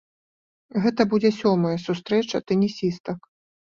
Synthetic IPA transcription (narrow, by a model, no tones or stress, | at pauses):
ɣɛt̪ɐbud͡zʲɛsʲɔmɐjɐsust̪ɾɛt͡ʂɐt̪ɛnʲisʲist̪ɐk